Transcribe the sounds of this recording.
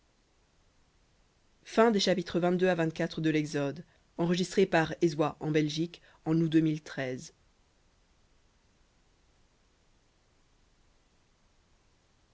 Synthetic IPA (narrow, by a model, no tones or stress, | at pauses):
fɛ̃d̪eʃapit̪χəvɛ̃t̪̚d̪øavɛ̃t̪̚kʲat̪χəd̪əlɛɡzɔd̪ | ɑ̃ʁəʒist̪χepaʁezwaʔɑ̃bɛlʒik | ɑ̃nud̪ømilt̪χɛz